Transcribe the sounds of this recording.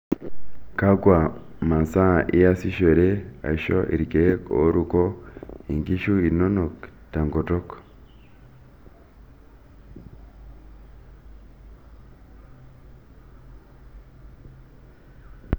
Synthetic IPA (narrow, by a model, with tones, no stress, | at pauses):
ka˦ɡwa˨ | ma˨nsa˦˨ʔi˦ja˦si˦ʃo˨ɾe˦a̰˨ʃo̰˦ʔḭ˨ɾi˨ke˨o̰˨˦ɾu˨ko˦e˨ŋɡi˦ʃu˦i˨no˦no˨kta˨ŋɡo˨to˦k